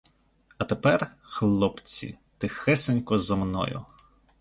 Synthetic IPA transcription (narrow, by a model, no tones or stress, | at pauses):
ɐt̪epɛrxlˠɔpt͡sʲḭ | t̪ɪxɛsenʲkɔzɔmnɔ̰jʊ̰